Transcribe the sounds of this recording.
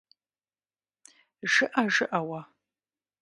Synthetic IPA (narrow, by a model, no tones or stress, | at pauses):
ʒɨʔɐʒɨʔɐwɐ